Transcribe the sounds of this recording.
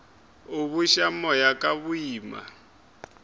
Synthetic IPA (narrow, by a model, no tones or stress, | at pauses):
uβuʃamɔjakaβuiːma̰